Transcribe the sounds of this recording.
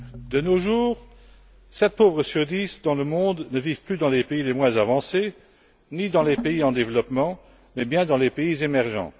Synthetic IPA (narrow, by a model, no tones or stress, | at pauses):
d̪̥ənoʒuːʁ | sɛt̪̚povʁəsyʁd̪isd̪ɑ̃ləmɔ̃d̪nəviv̥plyd̪ɑ̃lepeilemwɛ̃zavɑ̃se | nid̪ɑ̃lepeiɑ̃d̪evlɔpmɑ̃ | mɛbjɛ̃d̪ɑ̃lepeizemɛʁʒɑ̰̃